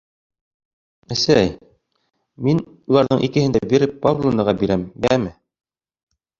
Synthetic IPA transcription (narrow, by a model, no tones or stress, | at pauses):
æsæj | min | ulˠɑɾðɤɴʔikɘ̆hɘ̆nd̪æbiɾɘppːavlˠonɤʁɑbiɾæmbæmɘ